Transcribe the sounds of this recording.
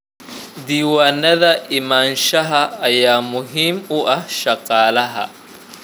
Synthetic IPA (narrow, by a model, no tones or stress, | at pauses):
d̪iːwaːnːɐðɐʔɪmaːnʃɐɦɐːjaːmʊɦimʊʔɐʃɐqʼaːlɐɦɐ̰